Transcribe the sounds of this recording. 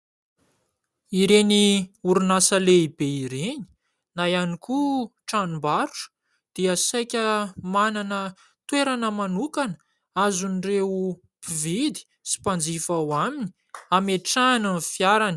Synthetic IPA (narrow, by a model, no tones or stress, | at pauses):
iɾeniuɾunasəleibeiɾeni̥ | najanikuʈ͡ʂanimbaɾuʈ͡ʂə̥ | d̪̥iasajkʲəmananə | t̪weɾanəmanukanə | azunireu | pivid̪i̥ | si̥pand͡zifawamini | ameʈ͡ʂananfjaɾani̥